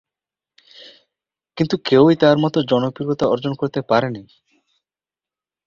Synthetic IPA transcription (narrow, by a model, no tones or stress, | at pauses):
kint̪ukewit̪aɾmɔt̪od͡ʑɔnopuɾɡot̪aɔɾd͡ʑonkoɾt̪epaɾeni